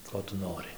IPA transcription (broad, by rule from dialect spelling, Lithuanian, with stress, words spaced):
ˈkoː tʊ ˈnoːrʲɪ